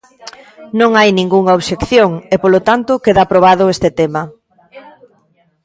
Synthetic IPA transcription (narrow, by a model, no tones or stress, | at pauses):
nõŋajnĩŋɡuŋaoβʃekθjoŋepolot̪ant̪ʊkeðapɾoβaðʊest̪ɪt̪emɐ